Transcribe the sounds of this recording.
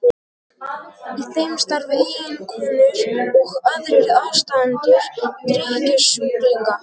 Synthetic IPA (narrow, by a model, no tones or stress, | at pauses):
iθejmst̪aɾðɪliːɣɪnkʰɔnʏɾɔɣaðɾɪɣawvst̪aðant̪ʏɾ̥t̪ɾihcɪsiŋka